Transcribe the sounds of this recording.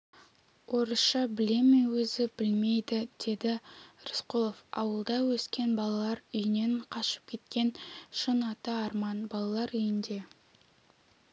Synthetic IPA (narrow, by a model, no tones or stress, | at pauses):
wʔo̞ɾəsʃɑbɪle̞menwɵzɪbɪlme̞jd̪ɪd̪̥e̞d̪ɪɾɪsqolˠofɑ̰wəlˠd̪ɑwɵskʲe̞nbɑlˠɑlˠɑɾʏjɪne̞ɴqʰɑʃə̥p̚kʲʰe̞t̪̚kʲe̞nʃənɑt̪əɑɾmɑnbɑlˠɑlˠɑɾʏjɪnd̪e̞